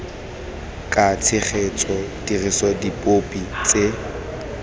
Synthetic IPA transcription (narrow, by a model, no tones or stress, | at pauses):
kʼat͡sʰɪχʰet͡sʼɔd̥irisɔdipʼopʼit͡sʼe